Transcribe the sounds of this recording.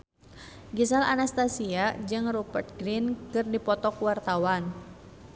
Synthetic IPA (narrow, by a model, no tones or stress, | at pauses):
ɡisala̰nast̪asiad͡ʒɨŋrubərt̪̚ɡɾinkɨrdipɔt̪ɔkwart̪awan